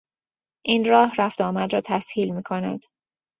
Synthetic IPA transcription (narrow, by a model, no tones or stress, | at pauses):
ʔiːnɾɒːhɾæft̪ɒːmæd̪ɾɒːt̪ʰæshiːlmiːkʰo̞næ̰d̪̥